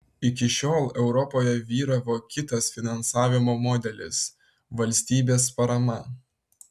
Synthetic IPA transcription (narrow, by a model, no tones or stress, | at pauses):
ɪkʲɪʃʲoːlˠɛʊɾɔpoːjɛʋʲiːɾɐʋoːkʲɪt̪ɐsfʲɪnɐnsɑːʋʲɪmoːmɔːd̪ʲɛlʲɪ̰s | ʋɐlʲsʲt̪ʲiːbʲeːspɐɾɐmɐ